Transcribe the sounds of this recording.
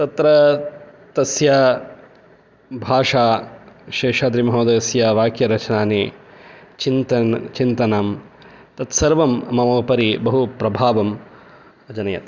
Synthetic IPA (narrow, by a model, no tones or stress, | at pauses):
t̪ɐt̪ɾɐ | t̪ɐsjaː | bʱaːʂaːʃeːʂaːd̪ɾimɐɦoːd̪ɐsjaːʋaːkjɐɾɐt͡ʃɐnaːneː | t͡ʃint̪t͡ʃint̪ɐnaːm | t̪ɐt̪sɐɾʋɐmːɐʋɐːpɐɾibɐɦupɾɐbʱaːʋɐm | ɐd͡ʒɐnɐjɐ̰t̪